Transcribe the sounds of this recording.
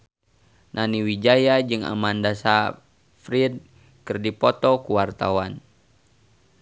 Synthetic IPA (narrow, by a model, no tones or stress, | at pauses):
nʔaniwid͡ʒajad͡ʒɨŋa̰mandasa | fɾid̚ | kɨrdipɔt̪ɔkuwart̪awan